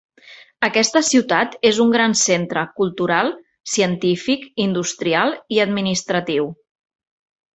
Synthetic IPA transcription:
əkɛst̪əsiwt̪at̪ezuŋɡɾansent̪ɾəkulˠt̪uɾalˠ | siənt̪ifikind̪ust̪ɾialˠiəd̪minist̪ɾət̪iw

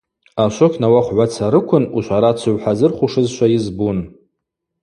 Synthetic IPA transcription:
aʃʷokʲʰnawaχʷʕʷat͡sʰaɾɨkʷʰʊnuʃʷaɾat͡ɕʰʊʕʷħazɨrχʷuʂɨzʃʷajɪzbun

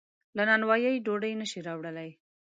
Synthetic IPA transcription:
lanɑnwɑjajɖoɖəjnəʃiɾɑwɽəlaj

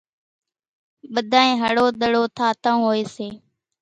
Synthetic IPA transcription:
ɓəd̪ʱaːẽːɦəɽoːɗ̪əɽoːt̪ʰaːt̪əũːɦoːeːseː

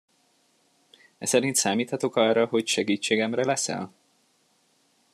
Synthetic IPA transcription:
ɛsɛɾint̪saːmiːt̪hɒt̪o̞kɒrːɒɦo̞cʃɛɡiːt͡ʃːeːɡɛmrɛlɛsɛ̰l

